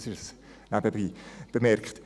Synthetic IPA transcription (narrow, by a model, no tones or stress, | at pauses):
sɪʃəs | nabəbiːb̥əmɛrkχt